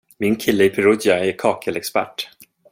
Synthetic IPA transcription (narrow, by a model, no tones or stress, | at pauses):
mɪnkʰɪlːəɪpʰɛɾud̪jaæɾkʰɑːkʰəlɛkspæ̰ʈː